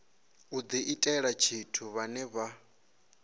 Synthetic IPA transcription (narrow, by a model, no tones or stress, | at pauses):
ud̪iʔitʼɛɺat͡ʃʰitʰuβanɛβa